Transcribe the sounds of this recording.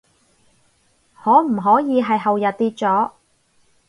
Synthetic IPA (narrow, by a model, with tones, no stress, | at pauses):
hɔː˨˥m̩˨˩ɦɔː˨˥jiː˨˧ɦɐ˨jɦɐ˨wjɐ˨t̚t̪iː˧t̚t͡sɔː˨˥